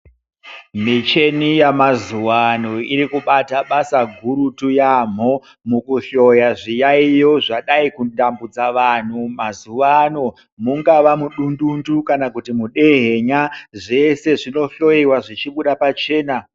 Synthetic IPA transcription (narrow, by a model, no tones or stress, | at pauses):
mit͡ʃe̞nijamazuʋanoiɾikuɓataɓasaɡʱuɾutujam̤o | mukuɬo̞jaʐijaijo̞ʐaɗaikudambud͡zaʋan̤umazuʋano | muŋɡaʋamuɗundundukanakutimuɗe̞ɦe̞ɲaʐe̞se̞ʐino̞ɬo̞iwaʐit͡ʃiɓuɗapat͡ʃe̞ːna